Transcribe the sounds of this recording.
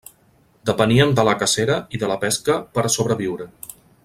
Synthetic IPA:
d̪əpəniəmd̪ələkəseɾəiðələpɛskəpəɾsoβɾəβ̞iwɾə

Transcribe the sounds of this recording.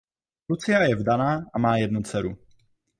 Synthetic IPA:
ɾut͡sɪajɛvdanaːʔamaːjɛdnut͡sɛɾu

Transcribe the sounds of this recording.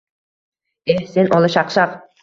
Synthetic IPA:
esenolˠɤʃɑqʃɑq

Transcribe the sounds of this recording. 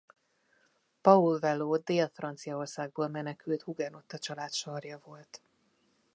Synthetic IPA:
pɒulvɛloːd̪eːlfrɒnt̪sijɒo̞rsaːɡ̚boːlmɛnɛkylt̪huɡɛno̞t̪ːɒt͡ʃɒlaːt̪ʃɒrjɒvo̞lt̪

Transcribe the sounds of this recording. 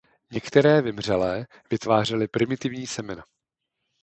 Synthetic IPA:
ɲɛkt̪ɛɾɛːvɪmr̝ɛlɛː | vɪt̪vaːr̝ɛlɪpɾɪmɪt̪ɪvɲiːsɛmɪna

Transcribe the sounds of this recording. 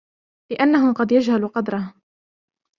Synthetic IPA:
lɪʔanːaɦʊqɑd̪jad͡ʒhaluqɑd̪ɾˤɑh

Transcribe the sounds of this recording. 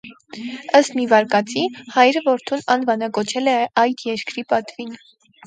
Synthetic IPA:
əst̪mivɑɾkɑt͡sihɑjɾəvɔɾt̪ʰunɑnvɑnɑkɔt͡ʃʰɛlɛɑjd̪jɛɾkɾipɑt̪vin

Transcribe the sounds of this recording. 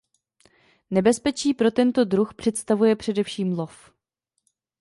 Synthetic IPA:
nɛbɛspɛt͡ʃiːpɾo̞t̪ɛnt̪o̞dɾuxpr̥ɛt̪st̪avujɛpr̥ɛdɛfʃiːmlo̞f

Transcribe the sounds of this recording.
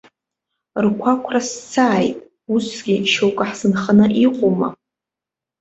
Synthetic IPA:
rkʷʰakʷʰrast͡sʰaːjtʼ | usɡ̥ʲiʃowkʼaħzɨnχənɨʔiqʷʼoma̰

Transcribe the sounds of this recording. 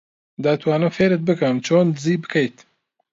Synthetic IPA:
d̪aːt̪ʰwaːnɨmfeːɾɨt̪̚bɨkɐmt͡ʃʰoːnziːbɨkʰɐjt̪

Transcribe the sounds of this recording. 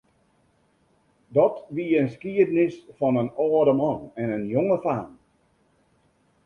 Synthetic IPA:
dɔtʋiənskiədənɪsfɔnənɔːdəmɔnɛnənjoŋəfaːn

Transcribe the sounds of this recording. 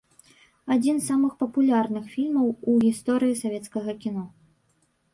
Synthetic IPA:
ad͡zʲinzamɨxpɐpulʲarnɨxfʲilʲmɐwuɣʲist̪ɔɾɨjisavʲɛt̪skɐɣɐkʲinɔ

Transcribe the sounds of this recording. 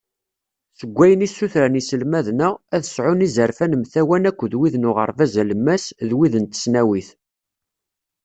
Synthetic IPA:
θəɡʷːæjənisːuθɾænisəlmæðnææðəsʕʊnizəɾfænəmθæwænækʷːðwiðnʊʁə̰ɾˤvæzæləmːæsðwiðənt̪ə̥snæwiθ

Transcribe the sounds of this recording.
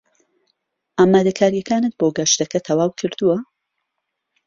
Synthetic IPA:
ʔaːmaːd̪ɐkʰaːɾjɐkʰaːnɨt̪̚boɡɐʃt̪ɐkɐt̪ʰɐwaːwkʰɨɾd̪uwɐ

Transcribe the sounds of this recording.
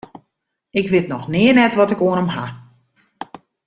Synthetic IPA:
ɪkʋɪtnɔxnɪənɛtʋɔtɪkoənəmɦa

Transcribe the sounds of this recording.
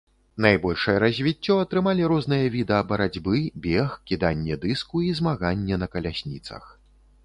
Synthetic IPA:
najbɔlʲʂɐjɛɾɐzʲvʲit͡sʲːɔɐt̪ɾɨmalʲiɾɔznɨjɐvʲid̪ɛɐbɐɾad͡zʲbɨbʲexkʲid̪anʲːɛd̪ɨskuizmaɣanʲːɛnɐkɐlʲasʲnʲḭt̪sɐ̰x

